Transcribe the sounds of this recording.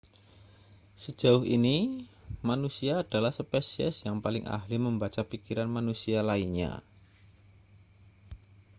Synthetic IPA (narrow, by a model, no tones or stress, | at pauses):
sə̥d͡ʒ̥a̤ʊɦini | manusiaːd̥alahsəpɛsiɛ̰sjaŋpalɪŋʔa̰ɦliməmbat͡ʃapikiɾanmanusialainɲa̰